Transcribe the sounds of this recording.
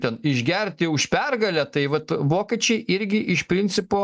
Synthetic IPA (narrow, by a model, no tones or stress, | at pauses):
t̪ʲɛnɪʒʲɡʲɛrʲt̪ʲɪʊʃpʲɛrɡɐlʲæt̪ɐɪʋɐt̪ʋoːkʲiːt͡ʃʲɛɪʔɪɾʲɡʲɪʔɪʃpʲɾʲɪnʲsʲɪpoː